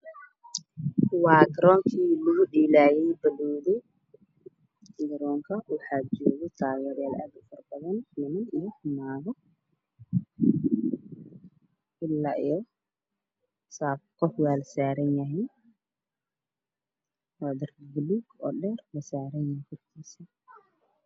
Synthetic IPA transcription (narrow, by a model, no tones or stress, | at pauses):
wɑːɡɾɔːŋkʰiːlʊʊɗiːlaːjɛjbɐlɔːðɛ | ɡɐɾɔːŋkʰɐwʊħaːd͡ʒɔːɣɛt̪ʰaːɣɛːɾjaːla̰ːd̪ʊfɐrbɐðɐnmɐnɪuħʊmaːðɔ | ʔɪlːaːʔijɔ | saːb̚kʰɔħwaːlɐsaːɾɐnjɐɦɛːn | wad̪ɐrbluːɡɔːɗɛːrlɐsaːɾɐnjɐkʰɔrkʰiːsi